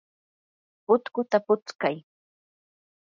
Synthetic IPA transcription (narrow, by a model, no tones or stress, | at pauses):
pʊt̪kʊt̪apʊt͡skaj